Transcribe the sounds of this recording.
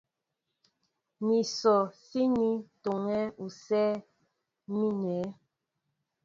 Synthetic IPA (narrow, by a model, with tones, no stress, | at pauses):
ni˨sɔ˨si˦ni˦to˨ŋɛ˦u˨sɛː˦ | mi˦nɛː˨˦